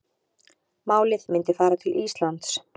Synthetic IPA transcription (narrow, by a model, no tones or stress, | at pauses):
maːwlɪðmɪnt̪ɪfaːɾat̪ʰɪlʔist̪lant̪s